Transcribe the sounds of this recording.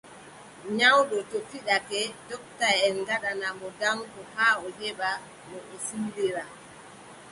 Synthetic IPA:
ɲawɗɔtɔfiɗakɛdɔk̚tajɛnɡaɗanamɔdaŋkɔhaːɔhɛba | mɔʔɔsindɛɾa

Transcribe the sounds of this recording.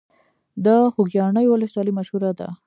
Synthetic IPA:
d̪ɑxuɡjɑɳəjwʊləswɑlimaʃhuɾad̪a̰

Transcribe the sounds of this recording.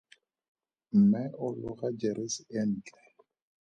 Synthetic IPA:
m̩mɛʔʊlʊɣad͡ʒɛɾɪsɛn̩ːt͡ɬɛ

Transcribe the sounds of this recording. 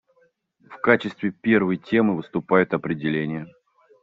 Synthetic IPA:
fkat͡ɕɪst̪vʲɪpʲe̞rvəjtʲe̞mɨvɨst̪ʊpajʊt̪ɐpɾʲɪdʲɪlʲenʲɪjə

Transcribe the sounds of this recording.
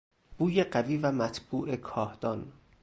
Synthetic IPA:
b̥uːjeɢæviːvæmæt̪ʰb̥uːʔe̞kʰɒːhd̪̥ɒːn

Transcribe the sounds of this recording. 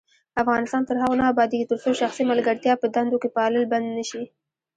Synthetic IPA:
afɣɑnɪst̪ɑnt̪əɾɦaɣonɑːbɑd̪iɡit̪əɾsoʃaxsiməlɡəɽt̪jɑpəd̪and̪okepəɑləlband̪nəʃi

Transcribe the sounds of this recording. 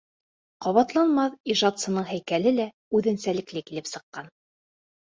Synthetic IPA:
qɑβɑt̪lˠɑnmɑθiʒɑt̪sɤ̆nɤɴɦæjkælɘlæ | ʉðɘ̆nsælɘ̆klɘkilɘpsɤ̆qːɑn

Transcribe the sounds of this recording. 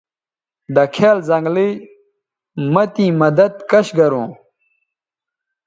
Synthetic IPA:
d̪ɐkʰeːlzɐŋɡli | mɐt̪ĩːmɐd̪ɐd̪̚kɐɕɡɐɾũː

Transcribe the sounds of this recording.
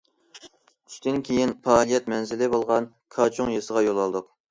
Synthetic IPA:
y̥ʃt̪ʰɪnkʲʰejinpʰɑːlˠijɛt̪mɛnzɪlɪbolˠʁɑn | kʰɑt͡ʃʰʊŋjesəʁɑjolˠɑlˠd̪ʊq

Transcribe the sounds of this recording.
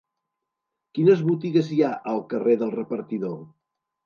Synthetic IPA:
kinəzβut̪iɣəziaʔəlˠkəreðəlˠrəpəɾt̪iðo

